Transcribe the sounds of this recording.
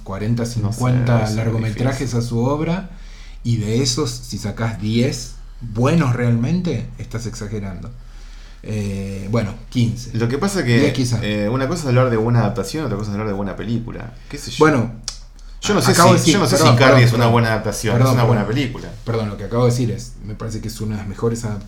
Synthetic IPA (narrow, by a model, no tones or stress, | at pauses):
kwaɾe̞nt̪asiŋkwent̪alaɾɣomet̪ɾaxesasuoβɾa | iðeeso̞sːisakazðjes | βwenosrealmẽnt̪e̞ːht̪aseksaxeɾand̪o̞ | ebwe̞nokinselo̞kepasakejekisaunakosaesaβlaɾðeβwenaːðap̚t̪asjonot̪ɾakosaesaβlaɾðeβwenape̞likṵla̰ | keseʃbwe̞no̞ | ʒonosaeskaβesionoseɾsiokaries̬unaβwenaːðap̚t̪asjonpeɾðosunaβwenapelikula̰peɾðonlo̞keakaβoes̬iɾes | me̞paɾes̬e̞keesunaðeame̞xo̞ɾesaðap